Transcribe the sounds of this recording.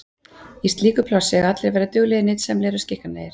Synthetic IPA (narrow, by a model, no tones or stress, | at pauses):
ist̪liːkʏpʰlɔsɪɛɣat̪lɪɾvɛːɾat̪ʏɣlɛɪnɪːt̪sɛmleːɾʏ̥scɪhkaneːjɪɾ̥